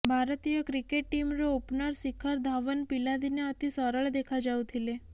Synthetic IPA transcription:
bʱaɾət̪ijəkɾikeʈ̚ːimɾoupnəɾsikʰəɾd̪ʱaʋənpilad̪ineət̪isəɾəɭd̪ekʰad͡ʒawt̪ʰile

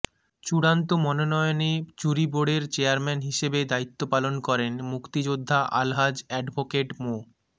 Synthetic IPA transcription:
t͡ɕuɽant̪omɔnonɔjonet͡ɕuɾiboɖeɾt͡ɕeaɾmɛnɦiʃebed̪ait̪ːopalonkɔɾenmukt̪id͡ʑod̪ʱːaʔalɦad͡ʑɛɖbʱokeʈmo

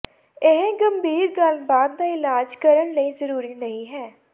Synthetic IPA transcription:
ɪɦɡəmbʱiːɾɡəlbaːd̪̚d̪aːɪlaːd͡ʒkəɾəɳləiːzəɾuːɾiːnəĩːɦɛː

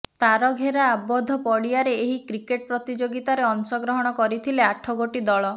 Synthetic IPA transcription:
t̪aɾɔɡʱeɾaːbɔd̪ʱɔpɔɽijaɾeeɦikɾikeʈ̚pɾɔt̪id͡ʒoɡit̪aɾeɔnsɔɡɾɔɦɔɽ̃ɔkɔɾit̪ʰileaʈʰɔɡoʈid̪ɔɭɔ

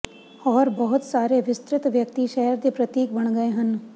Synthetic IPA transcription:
ɔːɾbɐɦʊt̪saːɾeʋɪst̪ɾɪt̪ʋjɐk̚t̪iʃɛɦəɾd̪əpɾɐt̪iːk̚bɐɽ̃ɡɐeɦɐ̃n

